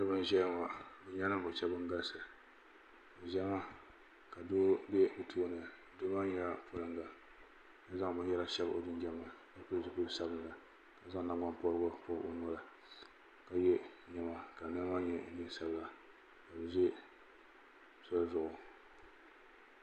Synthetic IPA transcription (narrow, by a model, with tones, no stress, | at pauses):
nɨ˦bɨ˦˨ʒɛ˦˨ŋa˨bɨ˨ɲa˦nɨ˦mbʊ˨t͡ʃɛ˦bɨ˦ŋ˦ɡa˦lsɨ˨ | ɨ˨ʒɛ˦ma˦ | ka˨doː˦bɛ˦ʔo˨tʰuː˦˨nɨ˨ | do˦ma˦ɲɛ˦la˦pʰo˦lɨ˦ŋɡa˨ | ja˦za˦ŋ˨bɨ˦njɛ˦la˦ʃɛ˦bʔo˨dɪ˦d͡ʒɛ˦ma˨ | a˦pʊ˦lzi˨ku˦˨˦sa˦bnɨ˨la˨ | ka˨za˦ŋ˦na˨ŋɡa˦npɔ˦ɾɡʊ˦po˦bʔo˦n˦la˨ | ka˨jɛ˦ɲɛ˨ma˨ka˨na˦ma˦ɲɛ˦n̩˦dɨ˦sa˦bla˨ | ka˨bɨ˨zɛ˦ | so˦lzʊ˨ʔʊ˨